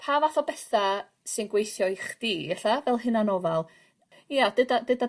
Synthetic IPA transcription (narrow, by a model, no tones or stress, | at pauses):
pʰaːvaθɔbɛθa | sɨnɡwejθjɔɨχd̥iːɛɬavɛlˠɦɨnanɔvalˠ | jad̥ədadəda